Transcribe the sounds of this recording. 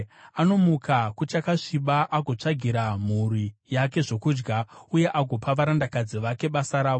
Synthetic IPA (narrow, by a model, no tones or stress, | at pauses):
ano̞mukʰakut͡ʃakaʂiɓaʔaɡʱo̞t͡ʂaɡʱiɾam̤urijak̬e̞ʐo̞kuːd͡ʒɡauje̞ʔaɡʱo̞paʋaɾandakad͡ziʋake̞ɓasaɾaːʋo